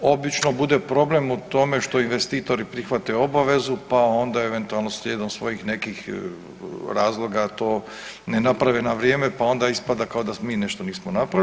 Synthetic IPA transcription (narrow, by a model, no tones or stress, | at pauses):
o̞bit͡ʃnobud̪e̞pɾo̞ble̞mut̪o̞me̞ʃt̪o̞inʋe̞st̪iːt̪o̞ɾipɾixʋat̪eo̞baʋe̞zupao̞nd̪aeʋent̪ualˠno̞slʲjeːd̪omsʋo̞jixne̞kix | ɾaːzlˠo̞ɡat̪o̞ː | nenapɾaʋenaʋɾjeːme̞pao̞nd̪aispad̪akao̞d̪asmiːne̞ʃt̪o̞niːsmonapɾa